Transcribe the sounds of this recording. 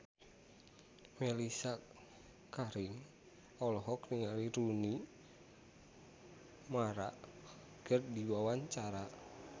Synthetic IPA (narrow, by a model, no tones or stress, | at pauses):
mɛlisa | kaɾiŋ | ɔlɔɦɔkniŋaliɾuni | maɾa̰ʔ | kərdiwawaɲt͡ʃaɾa